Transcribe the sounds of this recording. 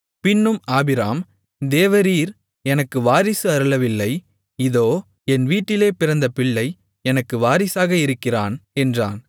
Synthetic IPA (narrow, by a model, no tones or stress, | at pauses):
pɪnːɯmaːbɪɾaːm | d̪eːʋɐɾiːɾ | ɛnɐkːɯʋaːɾɪsɯɐɾɯlɐʋɪlːɐɪ | ɪðoː | ɛnʋiːʈːɪleːpɪɾɐnd̪ɐpɪɭːɐɪ | ɛnɐkːɯʋaːɾɪsaːɣɐɪɾɯkːɪraːnɛndra̰ːn